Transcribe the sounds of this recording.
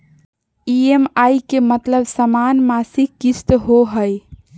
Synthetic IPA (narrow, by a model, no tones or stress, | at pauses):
iemajkemət̪ləbsəmanmasikist̪ɦoɦəj